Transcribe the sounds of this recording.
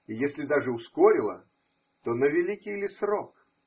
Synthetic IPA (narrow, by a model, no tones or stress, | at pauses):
ijesʲlʲɪd̪aʐɨʊskoɾʲɪlˠə̰ | t̪onəvʲɪlʲikʲijlʲɪsrok